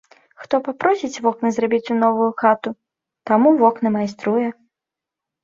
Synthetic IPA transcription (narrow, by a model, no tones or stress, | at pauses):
xt̪ɔpapɾɔsʲit͡sʲvɔknɨzɾabʲit͡sʲunɔvujuxat̪u | t̪amuvɔknɨmajst̪ɾujɛ